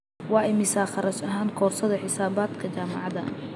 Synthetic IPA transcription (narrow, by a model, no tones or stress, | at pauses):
wɑːʔɛjmɪsaːχɑɾɐʃɐɦaːŋkʰɔːrsɐðɐħɪsaːβaːd̪kʰɐt͡ʃaːmɑʕɑðɐ